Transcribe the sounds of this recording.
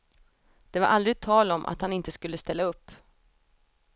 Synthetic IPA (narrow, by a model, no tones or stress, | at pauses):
d̪̥ɛvaɾʔald̪ɾɪɡ̚t̪ʰːɑːlɔmʔa̰t̪hanɪnt̪əskɵlːəst̪ɛlːaɵpː